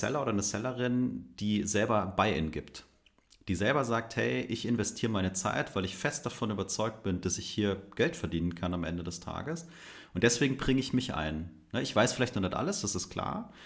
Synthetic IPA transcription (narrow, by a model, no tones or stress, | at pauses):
sɛ̰lɐʔoːɾdɐnəsɛləʁɪnd̥iːzɛlbɐbaɪʔɪ̰nɡɪpt | d̥iːzɛlbɐzaːk̚thɛ̰ɪʔɪçɪnvɛstʰiːʁəmaɪnət͡sa̰ɪtv̥aɪlɪçfɛst̚d̥afɔnyːbɐt͡sɔʏk̚t̚b̥ɪnd̥asɪçhiːɐɡ̥ɛltfɛɐdiːnənkʰanamʔɛ̰ndədɛstʰa̰ːɡəs | ʔʊnt̚d̥ɛsv̥eːɡŋ̩bʁɪŋəɪçmɪçʔa̰ɪn | nəʔɪçv̥aɪsfɪlaɪçtnuːɐnatʔa̰ləsd̥asɪstkʰl̥a̰ːɐ